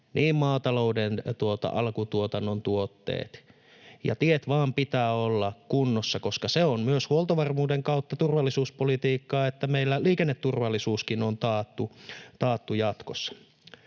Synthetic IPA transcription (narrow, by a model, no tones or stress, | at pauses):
nʔiːmmɑːt̪ɑloudent̪uot̪ɑ̰ʔɑlkut̪uot̪ɑnːont̪uot̪ːḛːt̪ | jɑ̰t̪iet̪ʋɑːmpit̪æːolːɑkkunːosːɑkoskɑseommyøshuolˠt̪ɑʋɑrmuːdeŋkɑut̪ːɑt̪urʋɑlːˑisuːspolit̪iːkːɑːet̪ːæmeilːæliːkenːet̪ːurʋɑlːisuːskinont̪ɑːt̪ːut̪ɑːt̪ːujɑt̪kosːɑ̥